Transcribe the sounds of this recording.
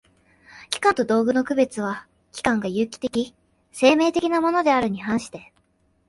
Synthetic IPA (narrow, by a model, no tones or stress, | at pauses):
kʲi̥kãnt̪o̞d̪o̞ːɡɯ̟no̞kɯ̟be̞t͡sɨβ̞a | kʲi̥kãŋɡajɯːkʲi̥t̪e̞kʲi | se̞ːme̞ːt̪e̞kʲinamo̞no̞d̪e̞aɾɯ̟ɲ̟ihãɰ̃ɕi̥t̪e̞